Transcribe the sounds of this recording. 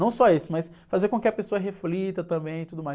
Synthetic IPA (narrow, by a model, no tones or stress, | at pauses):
ɐ̃w̃sɔesɪ̥mɐs | fazeɾkõkɪɐpesoɐɦeflit̪ɐt̪ɐ̃bẽj̃ɪt̪ud̪ʊmaj